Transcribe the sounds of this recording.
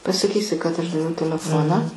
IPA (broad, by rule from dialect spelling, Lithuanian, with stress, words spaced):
pɐsɐˈkʲiːsʲɪ kɐt ˈɐʃ dɐˈʋʲɛʊ tʲɛlʲɛˈfoːnɑː